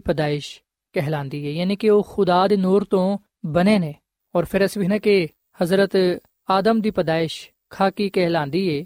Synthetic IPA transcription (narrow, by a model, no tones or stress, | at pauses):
pəd̪aːɪʃ | kɛɦlãːnd̪iːɦɛːjaːnikeoːxʊd̪aːd̪noːɾt̪õː | bəneːnẽː | ɔːɾpʰɪɾɛsbɪnəke | hɐzɾət̪ | aːd̪əmd̪iːpəd̪aːɪʃ | kʰaːkikɛɦlãːnd̪iːɦɛː